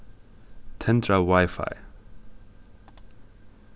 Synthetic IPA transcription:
tʰɛ̃ntʰɹawajfa̰j

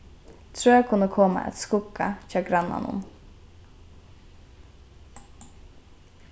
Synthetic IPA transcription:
t̪ʰɾøːɛkʰʊnəkʰɔmɑ̰ʔɛ̰t̪skʊkɑçɑːɡɾɑnɑ̰nʊ̰n

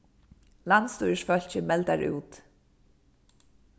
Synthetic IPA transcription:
lant̪st̪ujəsfœl̥t͡ɕɪmɛlt̪aɹṵːt̪

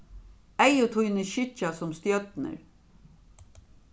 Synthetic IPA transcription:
æjʊt̪ʰujnəʃɪt͡ʃasɔmst̪jœt̪nə̰ɾ

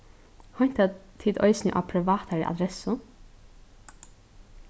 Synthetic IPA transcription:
hɔɲ̥t̪at̪ʰɪd̪ɔ̰ʏsnɪŋʔa̰ːpʰɾɛʋɑːt̪ʰaɾɪʔa̰d̪ɾɛsʊ

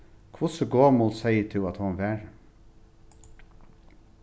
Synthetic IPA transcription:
kʰʋʊsəɡoːmʊlsæɪət̪ʰɪɑt̪hɑnʋæːɹ

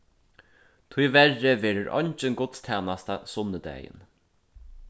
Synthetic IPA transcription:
t̪ʰujvɛrːɪʋeːɾɪɹʔɔ̰ɲt͡ʃɪnɡʊt̪st̪ʰɛːnast̪asʊnːəd̪ɛ̰ːjɪ̰n

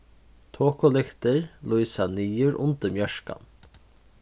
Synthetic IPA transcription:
t̪ʰoːkʊlɪxt̪ɪɹlujsaniːʊɾʔʊ̰nt̪əɾmjœʃka̰n

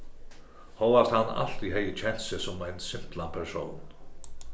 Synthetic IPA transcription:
howvaɾ̥t̪hanːa̰l̥t̪iɦɛjɪt͡ɕʰɛnsɪsɔmajnsɪm̥t̪lanpʰɛɾsoːwn

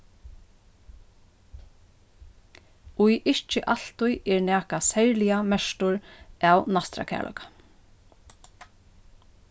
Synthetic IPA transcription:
ʊjʔɪht͡ʃɪʔal̥t̪ʊjʔɛɹnæːkasɛɹlɪamɛʃt̪ʊɹæːwnast̪ɾa̰kʰæ̰ːɹlʔɔ̰kḁ

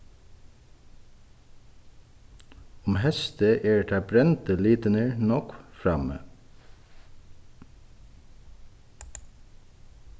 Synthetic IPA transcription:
ʊmhɛst̪əʔeːɖeʈ̪ʰɑːbɾɛnt̪əliːt̪ənəɹnɔkfɹɑ̰mə̰

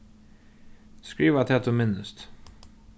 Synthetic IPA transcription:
skɹiːʋat̪ʰɛt̪ʰʊmɪnəst̪

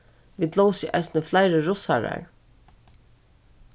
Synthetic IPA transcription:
ʋiːd̪lɔwsiʔa̰jsnəflajɾəɹʊsaɹa̰ɹ

